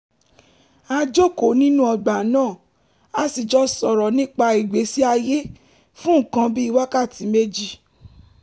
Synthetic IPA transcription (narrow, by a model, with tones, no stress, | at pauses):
a˧d͡ʒo˦˨ko˨nĩ˦nũ˦ɔ˧ɡ͡ba˨˦nãː˦˨ | a˦si˨d͡ʒɔ˦sɔ˨ɾɔ˨nĩ˦k͡pa˧i˨ɡ͡be˨˦si˦a˧je˦ | fũ˦˨kã˧bi˦i˧wa˦ka˦˨ti˨˦me˦d͡ʒi˦˨